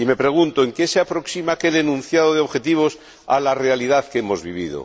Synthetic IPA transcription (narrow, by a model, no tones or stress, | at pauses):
ime̞pɾe̞ɣ̞unt̪oeŋkeseapɾo̞ksimakelenũn̟θjaðoðeo̞βxe̞t̪iβ̞os | a̰lare̞alið̞aðkeemozβiβ̞iðo̰